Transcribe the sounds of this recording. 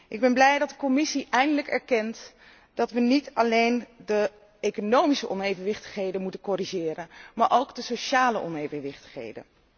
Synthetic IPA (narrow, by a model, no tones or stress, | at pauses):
ʔɪɡ̚bɛnblɛjdɑt̚dəkɔmɪsiʔɛjndələkɛɹkɛnt | d̥ɑtʋənitɑlejndə | ejkonowmisəʔɔnejvənʋɪχtə̥χɦejdənmutənkɔriʒɪːɾənmaːɹʔowkdəsoʃaːləʔɔnejvənʋɪχtə̥χɦḛjdə̰n